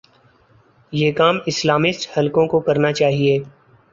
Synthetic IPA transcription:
jeːkaːmɪslaːmɪsʈhɐlkõkokɐɾnat͡ʃaːɦieː

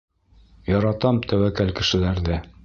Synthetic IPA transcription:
jɒɾɑt̪ɑmt̪ʰæwækælkɘ̆ʃɘ̆læɾðæ

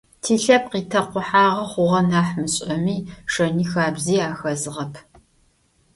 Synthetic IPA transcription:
tʰiːɬɐp̚qiːtʰɐqʷʊħaːʁɐχʷʊʁɐnaːħmɨɕʼɐmiːʂɐniːxaːbziːaːxɐzɨʁɐpʰ

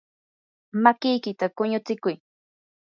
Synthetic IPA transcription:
makɪjkɪt̪akʊɲʊt͡sɪkʊj

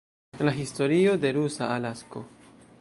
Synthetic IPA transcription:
laɦisto̞ɾio̞de̞ɾusa̰alasko̞̰

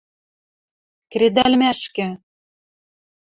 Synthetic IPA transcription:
kred̪ælʲmæʃkɘ̆

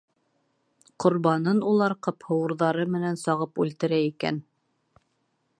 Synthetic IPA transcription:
qŏɾβɑnɤnulˠɑɾqɤphɤ̆wɤ̆ɾðɑɾɤmɘ̆nænsɑʁɤpʉlt̪ɘ̆ɾæikæ̰n

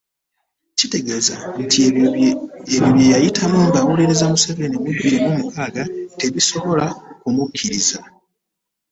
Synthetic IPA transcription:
cite̞ɡe̞zantʰi | eβjoβjejajitʰamuːŋɡawuleɾezamuseve̞nimubiɾimumukaːɡate̞βiso̞βo̞lakumukʰːiɾiza

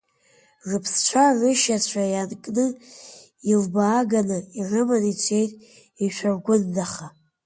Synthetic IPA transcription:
ʐɨpʰst͡ʃʷʰarʷɨʃat͡ɕʷʰajankʼnɨ | ilbaːɡanairɨmanit͡ɕʷʰejtʼ | iʃʷʰᶣarɡʷʊndaχa

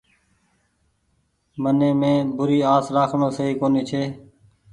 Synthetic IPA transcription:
mənẽːmẽːbʊɾiːaːsɾaːkʰɳõːsəɦiːkoːniːt͡ʃʰeː

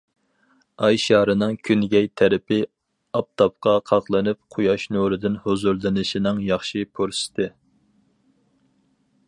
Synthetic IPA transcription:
ɑjʃɑːɾɨnɨŋkʲʰynɡʲɛjt̪ʰæɾɪpɪ | ɑp̚t̪ʰɑp̚qɑqʰɑχlˠɨnɨp̚qʰʊjɑʃnuɾɨd̪ɪnhozuɾlˠɨnɨʃinɨŋjɑχʃipʰoɾsɪ̥t̪ɨ

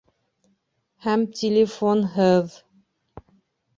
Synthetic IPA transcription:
hæmt̪ʲʰɪlʲɪfonɦɤð

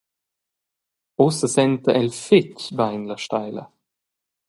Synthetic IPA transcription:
ɔsəsɛnt̪əʔɛlfɪcbajnlaʃtajlə̰

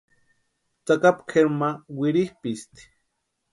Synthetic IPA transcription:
t͡sakapkʰeɾmawiɾihpist̪i̥

